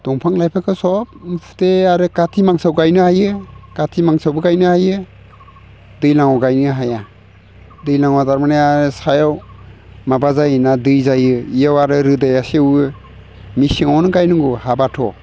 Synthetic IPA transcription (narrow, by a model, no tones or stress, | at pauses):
d̥ɔŋpʰaŋlajpʰakʰɯsɔp̚npʰu̥teaɾɯkatʰimaŋsawɡajnɯhajɯkatʰimaŋsawbɯɡajnɯhajɯ | dɯjlaŋɔwɡajnɯɦaja | dɯjlaŋwataɾmaneaɾɯsajaw | mabazajnadɯjzajɯijawaɾɯɾɯdajasewɯ | misiŋɔnɯɡajnɯŋɡuhabatʰɔ